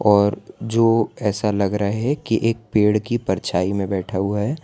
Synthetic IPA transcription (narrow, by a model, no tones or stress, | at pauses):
ɔːɾd͡ʒoːɛːsalɐɡɾɐɦeɦɛ̃kiʔeːk̚peːɽkipɐɾt͡ʃʰaːimẽbɛːʈʰauɦɛː